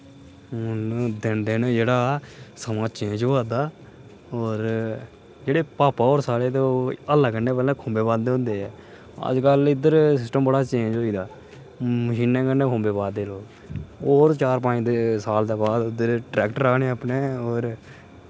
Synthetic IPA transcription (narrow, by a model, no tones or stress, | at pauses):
ʊnd̪ɪnd̪ɪnd͡ʒeːɽaːsəmãːt͡ʃẽːd͡ʒoaːd̪aː | oːɾ | d͡ʒeːɽeːpaːpaːoːɾsaːɽeːt̪oəlːaːkənẽːpɛːlɛ̃ːkʰõːmbeːbaːd̪d̪eːɦʊ̃nd̪eːɛː | ə̰d͡ʒkəlɪd̪əɾsɪsʈəmbəɽaːt͡ʃẽːd͡ʒoːiːd̪aː | məʃiːnːẽːkənːẽːkʰõːmbeːbaːd̪ːeːloːɡ | oːɾt͡ʃaːɾpãːd̪eːsaːld̪eːbaːd̪ʊd̪əɾʈɾɛːkʈəɾaːneːaːpneːoːɾ